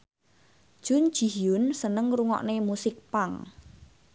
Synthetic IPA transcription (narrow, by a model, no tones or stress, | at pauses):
d̥ʒ̥ʊ̤n̥ʒ̥i̤jʊnsənəŋruŋɔ̰ʔnemusɪk̚paŋ